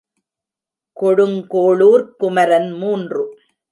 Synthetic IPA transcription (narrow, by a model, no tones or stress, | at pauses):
kɔɽɯŋkoːɭuːɾkʊmɐɾɐnmuːndrɯ